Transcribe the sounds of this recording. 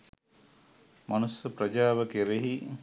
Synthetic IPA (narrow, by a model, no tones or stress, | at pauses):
manusjɐpɾɐd͡ʒaːʋəkeɾeɦi